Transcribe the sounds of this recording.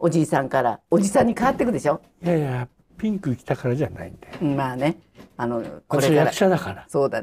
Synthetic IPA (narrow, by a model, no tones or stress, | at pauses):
o̞d͡ʑiːsãŋkaɾa̰o̞d͡ʑisãɲ̟ːikaβat̪ːe̞k̬ɯ̟d̪e̞ɕo̞ | jaja | pʲĩŋkɯkʲi̥t̪akaɾad͡ʑana̰ĩnd̪emaːne̞ | ano̞kko̞ɾejaɾakɯ̥ɕad̪akaɾaso̞ːd̪a